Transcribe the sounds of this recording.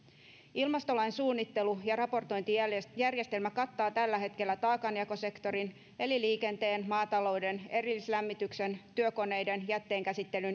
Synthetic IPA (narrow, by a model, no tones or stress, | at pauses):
ilmɑst̪o̞lɑjnsuːnːit̪ːe̞lujɑrɑpo̞rt̪o̞jnt̪ijærje̞st̪e̞lmækɑt̪ːɑːt̪ælːæɦe̞t̪ke̞lːæt̪ɑːkɑnjɑko̞se̞kt̪o̞ɾin | e̞liliːke̞nt̪e̞ːnmɑːt̪ɑlo̞wde̞ne̞ɾilːislæmːit̪ykse̞nt̪yøko̞ne̞jde̞njæt̪ːe̞ːŋkæsit̪ːe̞lyn